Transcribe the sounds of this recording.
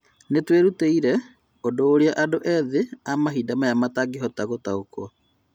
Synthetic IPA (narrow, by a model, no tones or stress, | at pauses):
netweɾuteiɾɛ | odoːɾeaʔadoʔɛðeamaɦidamajamataɡiɦɔtaɣotaokɔ